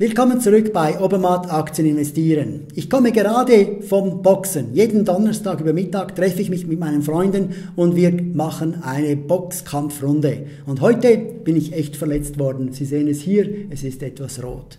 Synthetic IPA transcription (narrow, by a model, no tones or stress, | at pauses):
vɪlkɔmənt͡suʁʏkb̥aɪʔobəmatʰakt͡sjənɪnvɛstiːʁən | ɪçkʰɔməɡeʁaːdəfɔmbɔksənjeːdn̩dɔnəstaːɡyːbɐmɪtaːktʁ̥ɛfəɪçmɪçmɪtmaɪnənfʁɔʏndnʊndviːmaχənaɪnəb̥ɔkskʰamfrʊndə | ʊndɦɔʏtəb̥ɪnɪçɛçtfɛɐlɛt͡stv̥ɔɾdn̩z̥iːzeːənɛshiːɾɛsɪstɛtv̥asro̰ːt